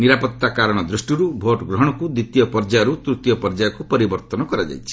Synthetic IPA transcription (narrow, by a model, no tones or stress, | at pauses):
niɾapɔt̪ːakaɾɔɽ̃ɔd̪ɾusʈiɾubʱoʈɡɾɔɦɔɽ̃ɔkud̪it̪jɔpɔɾd͡ʒaɾut̪ɾut̪jɔpɔɾd͡ʒaɔkupɔɾibɔɾt̪ɔnɔkɔɾad͡ʒa̰jt͡ʃʰi̥